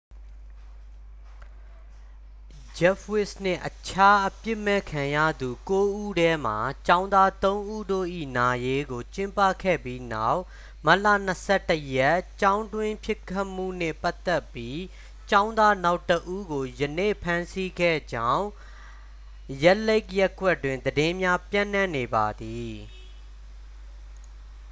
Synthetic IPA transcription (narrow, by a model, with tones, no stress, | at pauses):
d͡ʑɛ˦fwɪ˦snɪ̰̃˦˨ʔət͡ɕʰa˦ʔəpjɪ˦ʔmɛ˦˨kʰã˨jä̰˦˨d̪u˨ko˦ʔu˦˨ɾɛ˦m̥a˨t͡ɕã˦ʊ̃nd̪a˦t̪õ˦ʊ̃ʔu˦˨do̰˦˨ʔḭ˦˨na˨je˦ɡo˨t͡ɕɪ̃˦mpä̰˦˨kʰɛ̰˦˨bji˦na˦˨ʊʔ | ma˦ʔla̰˦˨n̥əsʰɛ˦˨tːəjɛ˦˨ʔt͡ɕã˦ʊ̃ndwɪ̃˦pʰjɪ˦kʰːa˦mṵ˦˨n̥ɪ̰̃˦˨pa˦t̪ɛ˦pji˦ | t͡ɕã˦ʊ̃nd̪a˦na˦ʊtəʔu˦ɡo˨jənḛ˦˨pʰã˦nsi˦ɡɛ̰˦˨d͡ʑã˦ʊ̃ | jɛ˦le˦ɪkjɛ˦kwɛ˦tːwɪ̃˨nd̪ədɪ̃˦mja˦pjã˦˨n̥ã˦˨ne˨ba˨d̪i˨